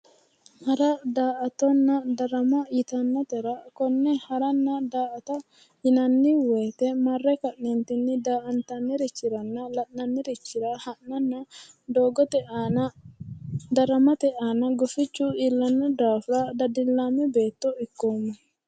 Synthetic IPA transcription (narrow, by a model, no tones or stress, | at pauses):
hɐɾɐd̪aːʔɐt̪ːɔnːɐd̪ɐɾɐmɐjɪt̪ɐnːɐt̪ɛɾɐkɔnːɛhɐɾɐnːɐd̪aːɐt̪ɐ | jɪnɐnːɪweːt̪ɛmɐrːɛkɐʔnint̪ɪnːɪd̪aːʔɐnt̪ɐnːɪɾɪt͡ʃːɪɾɐnːɐlɐʔnːɐnːɪɾɪt͡ʃːɪɾɐhɐnːɐnːɐ | d̪oːɡɔt̪ɛ | d̪ɐɾɐmɐt̪ɛʔaːnɐɡɔfɪt͡ʃːuɪlːɐnːɐd̪aːfɾɐd̪ɐd̪ɪlːaːmɛbe̞ːt̪ːɔɪkːoːmːɐ